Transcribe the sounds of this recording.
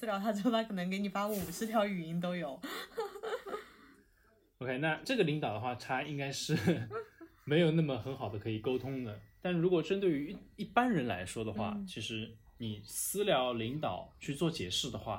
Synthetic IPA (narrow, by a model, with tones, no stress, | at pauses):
sɹ̩˥ljɑ˧˥ʊt̪ʰa˥t͡ɕo˥˩˧a˥kʰɤ˨˩n˧˥ŋke˧˥ɪni˨˩fa˥u˥˩u˨˩ʂɻ̩˥t̪ʰjɑ˧˥ʊy˨˩i˧˥nt̪̬o˥ʊjo˨˩˦ʊ | o˥ʊkʰe˥ɪna˥˧ʈ͡ʂɤ˥˩ɡə˩li˧˥ŋt̪ɑ˨˩ʊd̪ə˦xwa˥˩ʈ͡ʂʰa˥i˥ŋka˥ɪʂɻ̩˥˩ | me˧˥ɪjo˨˩ʊna˥˩mə˩xə˧˥nxɑ˨˩ʊd̪ə˦kʰɤ˧˥i˨˩ko˥ʊt̪ʰʊ˥ŋd̪ə˨t̪a˥˩nɻu˧˥kwɔ˨˩ʈ͡ʂə˥nt̪we˥˩ɪy˧˥˩i˥˩pa˥nɻə˧˥nla̰˧˥ɪʂwɔ˥d̪ə˨xwa̰˥˩t͡ɕʰi˧˥ʂɻ̩˧˥ni˨˩sɹ̩˥ljɑ˧˥ʊli˧˥ŋt̪ɑ˨˩˦ʊt͡ɕʰy˥˧t͡swɔ˥˩t͡ɕjɛ̰˨˩ʂɻ̩˥˩d̪ə˩xwa̰˥˩